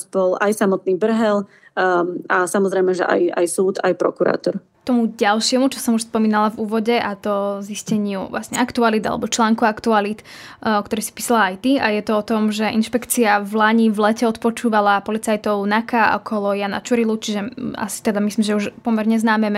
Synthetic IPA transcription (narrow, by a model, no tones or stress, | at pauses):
bɔlajsamɔt̪̚niːbr̩ɦɛl | asamɔzɾɛjmɛʒɛʔa̰ja̰jsuːt̪a̰jpɾɔ̰kuɾa̰ːt̪ɔɾ | t̪ɔmuɟalʃɪɛmut͡ʃɔsɔmuʃspɔmiːnalavuːʋɔɟɛʔat̪ɔziscɛɲɪuʋla̰sɲɛakt̪ualid̪a̰lɛ̰bɔt͡ʃlaːŋkuakt̪ualit̪ | ɔkt̪ɔɾisi̥piːsalaajt̪iajɛt̪ɔɔt̪ɔmʒɛʔinʃpɛkt͡siavlaɲivlɛcɛɔt̪pɔt͡ʃuːʋalapɔlit͡sajt̪ɔʊnakaʔɔ̰kʰɔlɔjana̰t͡ʃuɾilut͡ʃiʒɛa̰si̥t̪ɛd̪amislimʒɛuʃpɔmɛɾɲɛznaːmɛm